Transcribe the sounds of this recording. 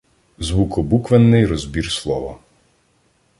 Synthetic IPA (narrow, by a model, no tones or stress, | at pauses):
zʋukɔbukʋɛnːɪjɾɔzbʲirslˠɔʋɔ̰